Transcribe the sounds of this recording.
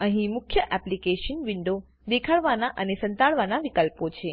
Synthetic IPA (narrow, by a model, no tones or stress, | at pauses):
əɦĩmʊkʰjəʔɛplikeʃənʋiɳɖo | d̪ekʰaɭʋanaʔənesə̃nt̪aɭʋanaʋikəlpot͡ʃʰe